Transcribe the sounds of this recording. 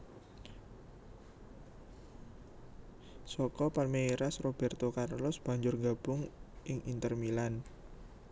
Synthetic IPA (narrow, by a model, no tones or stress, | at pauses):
sɔkɔpalmeiɾasrob̥ɛrt̪okarlʊsb̥a̤ɲd͡ʒʊrŋɡa̤b̥ʊŋʔɪŋʔint̪ərmilan